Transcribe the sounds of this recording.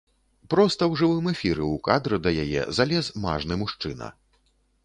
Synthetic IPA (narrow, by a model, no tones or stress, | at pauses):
pɾɔst̪ɐwʐɨvɨmɛfʲiɾɛukad̪ɾɨd̪ɐjajɛ̰zalʲɛzma̰ʐnɨmuʂt͡ʂɨnɐ̰